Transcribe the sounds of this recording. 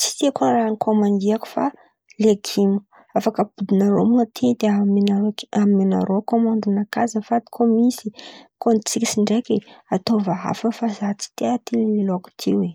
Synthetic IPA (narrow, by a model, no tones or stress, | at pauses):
t͡si̥t̪ekonranikʰomand̪iaku̥fa | leɡimu̥ | afakəbud̪inaɾo̰muat̪ʰid̪eamenaammena̰ɾokomãnd̪inakazəfat̪i̥kʰomisikont͡sikʲi̥siɳɖ͡ʐekeat̪ovaɦa̰fəfazat͡si̥t̪eat̪ililoku̥t̪ʰḭwe